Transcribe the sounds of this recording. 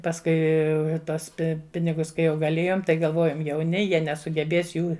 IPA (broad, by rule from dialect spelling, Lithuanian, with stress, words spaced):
pɐsˈkʊɪ ˈtuɔs ˈpʲɪnʲɪɡʊs kɐɪ ˈjɛʊ ɡɐˈlʲeːjoːm tɐɪ ɡɐlˠˈʋoːjoːm jɛʊˈnʲɪ ˈjiɛ nʲɛsʊɡʲɛˈbʲeːs ˈjuː